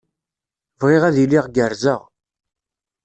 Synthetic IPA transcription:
vʁɪʁæðilɪʁɡəɾzəʁ

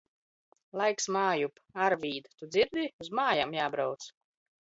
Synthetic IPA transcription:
lˠajksmaːjup | aɾviːd̪at̪ud̪ziɾd̪ʲiuzmaːjamjaːbɾawt̪s

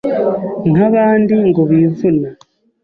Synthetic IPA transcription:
naβaːndiŋɡoβivuna

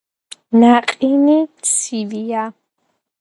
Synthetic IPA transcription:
naqʼinit̪sʰivia

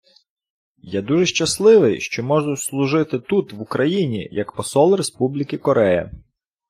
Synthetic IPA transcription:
jad̪uʒɛʃt͡ʃɐslˠɪʋɪjʃt͡ʃɔmɔʒʊslˠʊʒɪt̪ɪt̪ut̪ʋʊkɾɐjinʲḭjɐkpɔsɔlˠrespublʲɪkɪkɔɾʔɛjɐ̰

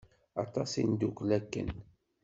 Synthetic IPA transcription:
ɑ̰t̪ˤɑsḭnd̪ukːlækːə̰n

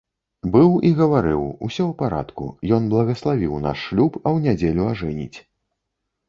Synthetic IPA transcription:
bɨwiɣɐvaɾɨwṵsʲɔwpaɾa̰t̪kṵjɔnblˠɐɣɐslˠavʲiwna̰ʂːlʲupɐwnʲad͡zʲelʲuaʐɛnʲḭt͡sʲ

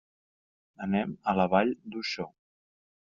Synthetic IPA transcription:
ənɛmələβaʎd̪uʃɔ

